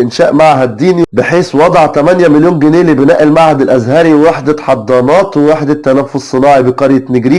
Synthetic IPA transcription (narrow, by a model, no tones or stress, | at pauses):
ʔɪnʃæːʔmaʕɦæd̪ːiːnibɪħeːswɑd̪ˤʕt̪æmænjæmɪljoːnɡeneːlibenæːʔelmaʕhæd̪ɪlʔæzɦæːɾiweweħed̪æt̪ħɑd̪ˤːɑːnɑːt̪weweħd̪æt̪ːænæfːossˤːɨnɑːʕibeqɑɾjænɪɡɾiː